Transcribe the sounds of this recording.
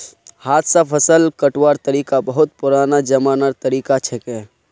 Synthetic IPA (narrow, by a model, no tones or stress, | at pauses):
haːt̪ʰsapʰəsəlkəʈwaːɾt̪əɾiːkabəɦʊt̪̚pʊɾaːnad͡ʒəmaːnaɾt̪əɾiːkat͡ʃʰɛkɛː